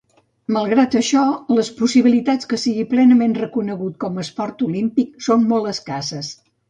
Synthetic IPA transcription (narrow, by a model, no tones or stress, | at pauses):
məlˠɣɾat̪əʃɔləspusiβ̞ilit̪at͡skəsiɣiplɛnəmenrəkunəɣut̪̚kɔməspɔrt̪ulimpik̚sonmolˠt̪əskasəs